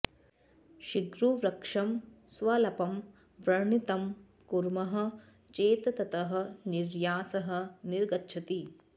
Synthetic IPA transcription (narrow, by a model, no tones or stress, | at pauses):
ʃiɡɾuʋɾɐkʂɐmsʋɐlɐpɐm | ʋɾɐɾɳit̪ɐm | kuɾmɐɦɐ̆ | t͡ʃeːt̪ɐt̪ɐt̪ɐɦɐ̆niɾjaːsɐɦɐ̆niɾɡɐtːʃʰɐt̪i